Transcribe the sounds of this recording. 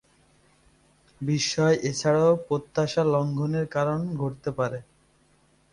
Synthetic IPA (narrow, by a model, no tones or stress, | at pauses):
biʃːɔeʔet͡ɕʰaɽaopɾot̪ːaʃalɔŋɡʱoneɾkaɾonɡʱoɾt̪epaɾe